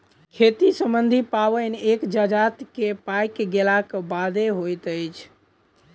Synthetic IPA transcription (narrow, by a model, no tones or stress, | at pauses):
kʰet̪isəmbənd̪ʱipaʋənekd͡ʒad͡ʒat̪kepajkɡelakbad̪eɦojt̪əjt͡ʃʰ